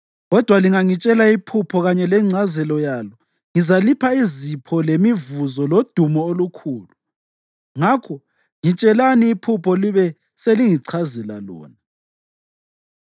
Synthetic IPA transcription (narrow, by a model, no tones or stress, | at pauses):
ɣɔd̥ʱwaliŋaŋit͡ʃʼɛlaipʰupʰɔɣaɲɛlɛŋ͡ǀʱazɛlɔjalɔ | ŋizalipʰaizipʰɔlemivuzɔlod̥ʱumɔolukʰuːlu | ŋakʰɔ | ŋit͡ʃʼɛlaniːpʰupʰɔliβɛ | seliŋiǀʰazɛla̰lɔ̰ːna